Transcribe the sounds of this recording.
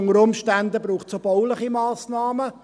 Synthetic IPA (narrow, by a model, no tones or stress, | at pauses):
ŋəɾʊmʃtænd̪əbɾuːχtt͡sobɔʊlɪχimɑːsnɑːmə